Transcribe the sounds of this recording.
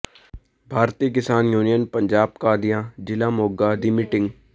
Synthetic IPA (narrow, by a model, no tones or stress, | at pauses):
bʱaːɾt̪iːk̬ɪsaːnjuːnijənpəɲd͡ʒaːb̚kaːd̪ijãːd͡ʒɪlaːmoːɡaːd̪ɪmɪʈɪ̃ŋɡ